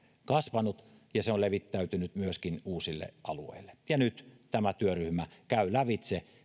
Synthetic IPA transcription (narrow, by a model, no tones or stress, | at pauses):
kɑsʋɑnut̪ | jɑseoleʋit̪ːæyt̪ynyt̪myøskinuːsilːḛʔɑluḛilːˑe̥jɑnyt̪t̪æmæt̪yøryhmækæylæʋit̪se